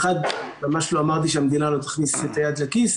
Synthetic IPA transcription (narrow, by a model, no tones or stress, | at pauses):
χad̪mamaʃloamaʁt̪iʃeamd̪inalo̞t̪ḁχniset̪ajad̪lekis